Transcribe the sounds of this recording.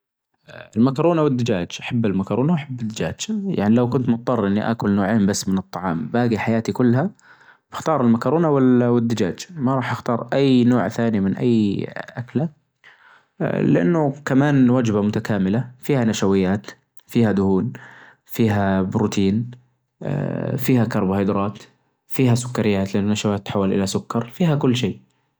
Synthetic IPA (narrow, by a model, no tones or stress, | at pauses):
ɪlmakɑɾˤuːnawɪd̪ːɪd͡ʒaːd͡ʒʔaħabːalmakɑɾˤuːnaʔaħabːɪd̪ːɪd͡ʒa̰ːd͡ʒja̰ʕnilawkʊnt̪mʊt̪̚ˤːɑrˤːʔɪnːiʔa̰kʊlnoːʕeːmbasːmɪnɨt̪ˤːɑʕɑ̰ːmbaːɡiħajaːt̪ikʊlːha | b̥ɪxt̪ɑːɾˤɪlmakɑɾˤuːnawɪwɪd̪ːɪd͡ʒaːd͡ʒmaɾˤɑːħʔɪxt̪ɑːɾˤʔajnoːʕθaːnimɪnʔa̰jːʔakla | lɪʔa̰nːʊkamaːnwad͡ʒbamʊt̪akaːmɪlafiːhanaʃawɪjːaːt̪ | fiːhad̪ʊhuːn | fiːɦabɾut̪ʰiːn̰ | fiːhakɑɾˤbhɑjd̪ɾˤɑːt̪ | fiːɦasʊ̥kːɑɾɪjːaːt̪lʔanːʊnaʃawaːt̪ːħawːalʔɪ̰lasʊkːɑɾˤfiːɦakʊlːʃeː